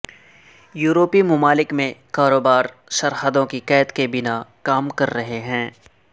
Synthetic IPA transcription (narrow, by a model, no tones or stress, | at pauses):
juːɾoːpimʊmaːlɪkmẽkaːɾoːbaːɾ | ʃɐɾɦəd̪õkikɛːt̪kebɪnakaːmkɐɾːɐɦeɦɛ̃ː